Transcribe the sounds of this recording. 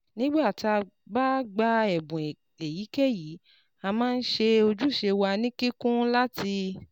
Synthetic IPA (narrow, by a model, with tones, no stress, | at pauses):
nĩ˦ɡ͡ba˦˨ti˧a˧ba˦ɡ͡ba˦˧ɛ˨bũ˨ | e˨ji˨˦kɛ˦˨ji˨˦ | a˧mãː˦˧n̩˦ʃe˧o˧d͡ʒu˦˨ʃe˧wa˧nĩ˦ki˦kũ˦la˦ti˧